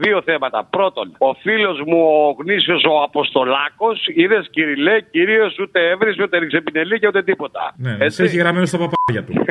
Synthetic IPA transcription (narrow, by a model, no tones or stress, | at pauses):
ðio̞θe̞mɐt̪ɐ̰pɾo̞t̪o̞no̞filo̞zmuoɣnisio̞so̞ɐpo̞st̪olɐko̞siðe̞sciɾile̞ciɾio̞sut̪e̞evɾisut̪eniksepineliceut̪e̞t̪ipo̞t̪ɐ̰neeeçiɣɾɐmenost̪ɐpɐpɐɾʝɐt̪u